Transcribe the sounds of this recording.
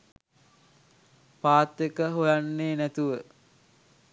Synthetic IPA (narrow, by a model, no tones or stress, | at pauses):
paːt̪ːekəɦojanːeːnæt̪uʋə